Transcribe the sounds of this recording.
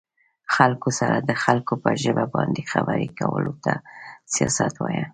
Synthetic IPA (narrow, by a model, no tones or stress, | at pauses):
xalkosaɾad̪əxalkopəʒəbabɑnd̪exabəɾikawəlot̪asijɑsat̪wɑja